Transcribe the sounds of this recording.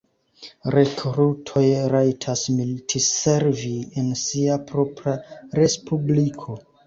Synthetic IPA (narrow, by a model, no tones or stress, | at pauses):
ɾe̞kɾutʰo̞jɾajtʰasmiltʰise̞ɾviensiapɾo̞pɾaɾe̞spublikʰo̞